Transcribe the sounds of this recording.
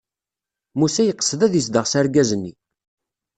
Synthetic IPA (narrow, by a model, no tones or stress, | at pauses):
musæjəqːə̥səðæðjəsd̪əʁsæɾɡæzənːḭ